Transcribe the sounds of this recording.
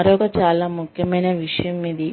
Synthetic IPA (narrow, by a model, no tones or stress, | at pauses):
ɐɾɔːkɐt͡ʃaːlaːmukʰjɐmɐjnɐʋiʂɐjɐmiːd̪i